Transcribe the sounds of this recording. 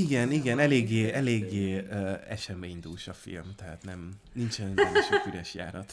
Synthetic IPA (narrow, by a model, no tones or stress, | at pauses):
iɡɛniɡɛnɛleːɡːeːɛleːɡːeːøːɛʃɛmeːiɲd̪ulʃɒfḭlmt̪ɛɦa̰ːt̪nɛm | nint͡ʃɛnʃofyɾɛʃja̰ːɾɒt̪